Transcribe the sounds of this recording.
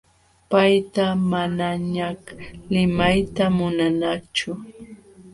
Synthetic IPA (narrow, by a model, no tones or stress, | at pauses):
pajt̪amanaɲaklɪmajt̪amʊnanat͡ʃʊ